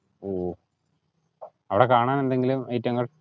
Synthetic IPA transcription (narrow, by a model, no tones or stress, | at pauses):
oː | ɐʋiɽekaːɳaːne̞nd̪e̞ŋɡilumɐjitːɐŋːɐɭ